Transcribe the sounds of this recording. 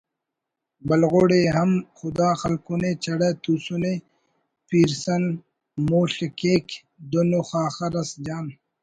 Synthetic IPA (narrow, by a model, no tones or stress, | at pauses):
bɐlɣoːɽeɦɐmxʊd̪aːxɐlkunet͡ɕʰɐɽet̪usune | piːɾsɐn | moːɬekeːk | d̪onoxaːxɐɾɐsd͡ʑaːn